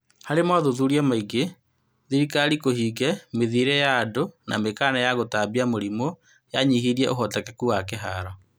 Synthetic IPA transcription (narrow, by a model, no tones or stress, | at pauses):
haɾemwaðoðuɾiamaiɡe | ðiɾikaɾikohiːɡɛmeðiɾɛjadona̰mekaːnɛjaɣotabiamoɾimo | jaɲiɦiɾiɛʔoɦɔtakɛkuwakeɦa̰ɾɔ